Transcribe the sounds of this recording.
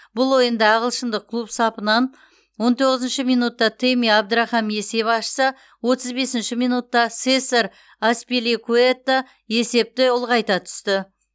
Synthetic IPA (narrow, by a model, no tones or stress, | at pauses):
bʊlˠo̞jənd̪ɑːʁəlˠʃənd̪əqʰːlˠupsɑpənɑn | wo̞nt̪ʰo̞ʁəzənʃɪmijnut̪ːɑt̪ʰemiɑb̚d̪əɾɑχɑmje̞se̞pɑʃsə | wo̞t̪əzbe̞sɪnʃɪmijnut̪ːɑsesaɾ | aspilʲikʰuet̪ːa | je̞se̞p̚t̪ɪʊlˠʁɑjt̪ɑt̪ʰʏ̥st̪ɪ